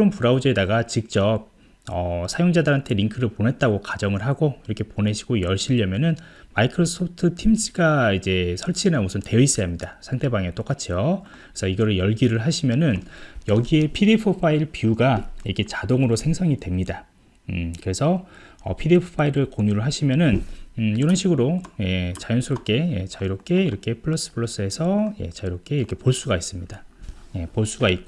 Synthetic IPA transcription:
ompuɾaud͡ʑedaɡat͡ɕik̚t͡ɕ͈ʌp̚ | ʌsʰajoŋd͡ʑadɯɾɦantʰe̞ɾiŋkʰɯɾɯɭponɦe̞t̚t͈aɡokad͡ʑʌŋɯɭɦaɡoiɾʌkʰe̞pone̞ɕʰi̥ɡ̥ojʌɭɕ͈iʎːʌmjʌnɯnmaikʰɯɾos͈ʰopʰtʰɯtʰimsʰiɡaid͡ʑe̞sʰʌɭt͡ɕʰinamusʰɯnteʌis͈ʌjamɲidasʰaŋtʰe̞baŋet͈ok͈at͡ɕʰijo̥ | sʰʌiɡʌɾɯɭjʌɭɡiɾɯɭɦaɕʰimjʌnɯnjʌɡie̞pʰidepʰɯpʰaiɭpiuɡaiʌkʰe̞t͡ɕadoŋɯɾosʰeŋsʰʌŋidwe̞mɲida | kɯɾe̞sʰʌ̰ːpʰidepʰo̥pʰaiɾɯɭkoɲuɾɯɭɦaɕʰimjʌnɯniɾʌnɕʰiɡɯɾoje̞t͡ɕajʌnsʰuɾop̚k͈eje̞t͡ɕaiɾop̚k͈e̞iɾʌkʰe̞pʰɯɭːos͈ɯ̥pʰɯɭːos͈ɯe̞sʰʌje̞̰t͡ɕaiɾop̚k͈e̞iɾʌkʰe̞poɭs͈uɡais͈ɯmɲidaje̞poɭs͈uɡait̚k͈o

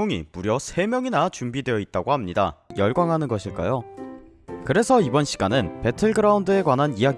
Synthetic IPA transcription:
uŋḭmuɾjʌsʰe̞mjʌŋinat͡ɕumbidwe̞jʌit̚t͈aɡoɦamɲida̰jʌɭɡwaŋɦanɯnɡʌɕʰiɭk͈a̰jo | kɯɾe̞sʰʌibʌnɕʰi̥ɡ̥anɯnpe̞tʰɯɭɡɯɾaundɯe̞kwanɦanijaɡ

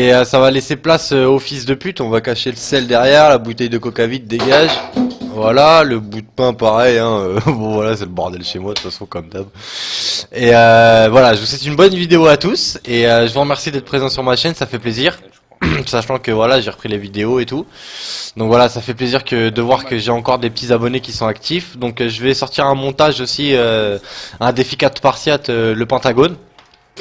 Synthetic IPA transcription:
eøsavaleseplasøofisd̪əpyt̪ɔ̃vakaʃeləsɛld̪ɛʁjɛʁlabut̪ɛjd̪əkɔkavit̪̚d̪eɡaʒvwalaləbud̪̚pɛ̃paʁɛjɛ̃øbɔ̃vwalasɛləbɔʁd̪ɛlʃemwad̪əfasɔ̃kɔmd̪ab | eøvwalaʒəvuswɛt̪ynbɔnvid̪eoat̪useøʒəvuʁəmɛʁsid̪ɛt̪χəpχezɑ̃syʁmaʃɛnsafɛpleziʁ | saʃɑ̃kəvwalaʒeʁəpχilevid̪eoet̪u | d̪ɔ̃kvwalasafɛpleziʁkəd̪əvwaʁkəʒeɑ̃kɔʁd̪epət̪izabɔnekʲisɔ̃akt̪ifd̪ɔ̃kʒəvɛsɔʁt̪iʁɛ̃mɔ̃t̪aʒosiø | ɛ̃d̪efikat̪paʁsjat̪ʰøləpɛ̃t̪aɡon

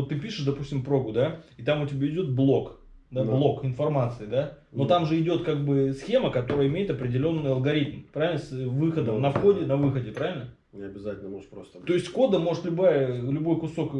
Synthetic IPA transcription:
ot̪ːɨpʲiʂɨʂd̪ɐpusʲtʲɪmpɾo̞ɡʊd̪aɪt̪amʊtʲɪbʲaɪdʲo̞t̪̚blˠo̞k | d̪ablˠo̞kɪnfɐrmat̪sɨɪd̪a | no̞t̪amʐɨɪdʲo̞t̪kaɡ̚bɨsxʲe̞məkɐt̪o̞ɾəjəɪmʲejɪt̪ɐpɾʲɪdʲɪlʲo̞nːɨjɐlˠɡɐɾʲit̪mpɾavʲɪlʲnəsvɨxəd̪əmnɐfxodʲɪnɐvɨxədʲɪpɾavʲɪlʲnə | nʲɪɐbʲɪzatʲɪlʲnəmoʐt̪pɾost̪ət̪o̞ɪsʲtʲko̞d̪əmo̞ʐɨt̪lʲʊbajəlʲʊbo̞jkʊso̞k

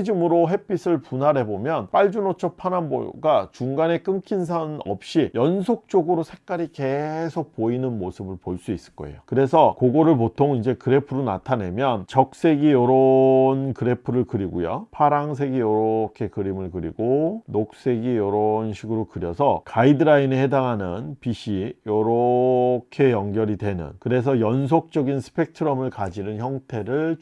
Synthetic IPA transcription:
ed͡ʑɯmɯɾoɦe̞p͈ʰis͈ʰɯɭpunaɾe̞bomjʌnp͈aɭd͡ʑunot͡ɕʰʌpʰananbo̰ɡat͡ɕuŋɡane̞k͈ɯŋkʰins̬ʰanʌ̰p̚ɕ͈ijʌnsʰok̚t͡ɕ͈oɡɯɾosʰe̞k͈aɾike̞sʰok̚poinɯnmosʰɯbɯɭpoɭs͈uis͈ɯ̥k͈ʌ̰e̞̰jokɯɾe̞sʰʌkoɡoɾɯɭpotʰoŋind͡ʑe̞kɯɾe̞pʰɯɾona̰tʰane̞mjʌnt͡ɕʌk̚s͈e̞ɡijʌɾʌnkɯɾe̞pʰɯɾɯɭkɯɾiɡujo̰pʰaɾaŋs̬ʰe̞ɡijʌɾokʰe̞kɯɾimɯɭkɯɾḭɡonok̚s͈e̞ɡijʌɾʌnɕʰiɡɯɾokɯɾjʌsʰʌkaidɯɾainehe̞daŋɦanɯnpiɕʰijʌɾʌkʰe̞jʌŋɡjʌɾidwe̞nɯ̰nkɯɾe̞s̬ʰʌjʌnsʰok̚t͡ɕ͈ʌɡinsʰɯ̥pʰe̞k̚tʰɯɾʌmɯɭkad͡ʑinɯnçjʌŋtʰe̞ɾɯɭ

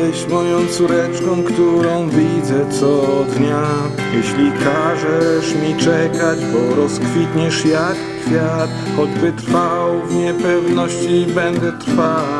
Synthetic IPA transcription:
ɛɕmɔjɔ̃w̃t̪suɾɛt͡ʂkɔ̃w̃kt̪uɾɔ̃w̃vʲid̪zɛt̪sɔd̪ɲa | jɛɕlʲikaʐɛʂmʲit͡ʂɛkad͡ʑbɔɾɔskfʲit̪ɲɛʂjakː | fʲjat̪ | xɔd͡ʑbɘt̪ɾfawvɲɛpɛvnɔɕt͡ɕibɛnd̪ɛt̪ɾfa

